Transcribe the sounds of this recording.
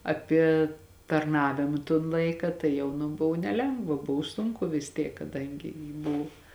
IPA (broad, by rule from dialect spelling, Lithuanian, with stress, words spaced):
ɐˈpʲiɛ tɐrˈnɑːʋʲɪmɐ toːn ˈlˠɐɪkɐ tɐɪ ˈjɛʊ nʊ ˈbʊw nʲɛˈlʲɛŋɡʋɐ ˈbʊw ˈsʊŋkʊ ʋʲɪs ˈtʲiɛk kɐˈdɐŋʲɡʲɪ jɪ ˈbʊw